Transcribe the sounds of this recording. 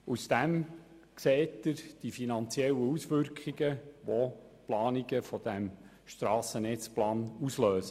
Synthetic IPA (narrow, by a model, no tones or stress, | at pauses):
usd̥æm | kseːtəɾd̥ifinɑnt͡siɛlːəusʋʏɾkχiɡəʋo | plɑːniɡəfɔd̥æm | ʃtɾɑːsənɛt͡splɑːnusløːsə